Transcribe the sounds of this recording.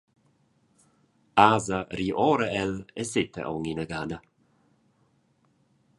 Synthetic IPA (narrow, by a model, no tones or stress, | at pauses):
aːzəɾiːʔoːɾəɛlɛsɪt̪ə̰ʔo̰ŋinəɡanə